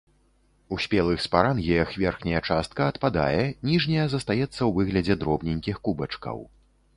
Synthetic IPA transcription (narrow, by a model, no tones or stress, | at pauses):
usʲpʲɛlˠɨxspaɾanɣʲɛjɐxvʲɛrxnʲɐjɐt͡ʂast̪̚kɐːt̪pad̪a̰jɛnʲiʐnʲɐjɐzɐst̪ajɛt̪sːɐwvɨɣlʲɐd͡zʲɛd̪ɾɔbnʲinʲkʲixkubɐt͡ʂkɐ̰w